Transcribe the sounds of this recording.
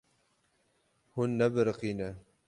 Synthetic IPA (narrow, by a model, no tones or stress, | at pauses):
hʊnːabɾqina